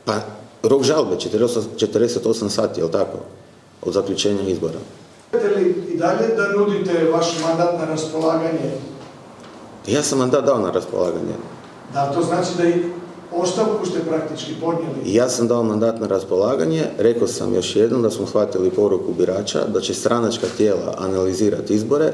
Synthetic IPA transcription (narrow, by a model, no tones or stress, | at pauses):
paɾo̞kʒalˠbet͡ʃet̪ɾost͡ʃet̪əɾd̪eset̪o̞samsaːt̪ijelˠt̪ako̰ | o̰d̪zakʎut͡ʃeːɲaizboɾa̰ | t̪eliid̪aʎed̪anud̪it̪eʋaʃmand̪at̪naɾaspolˠaːɡaɲe | jaːsamːand̪aːt̪̚d̪aonaɾaspolˠaːɡa̰ɲḛ | d̪at̪o̞znaːt͡ʃid̪aix | o̞st̪aʋkust̪epɾak̚t̪it͡ʃkipod̪nʲjelijaːsamd̪aomand̪aːt̪naɾaspolaːɡaɲe̞ɾe̞kosa̰mjo̞ʃjed̪nomd̪asmosxʋat̪ilipo̞ɾukubiɾaːt͡ʃa̰d̪at͡ʃe̞st̪ɾʔanat͡ʃkat̪jeːla̰ʔanaliziːɾat̪izboɾe̞